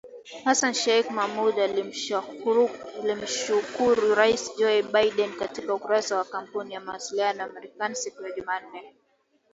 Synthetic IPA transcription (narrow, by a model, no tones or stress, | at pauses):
hasanʃaikmamuɗal | lim̩ʃukuɾuɾaisd͡ʒɔɛɓaiɗɛnkatikaukuɾasawakam̩punijamawasilianɔamaɾɛkanisikujaʄuman̩ːɛ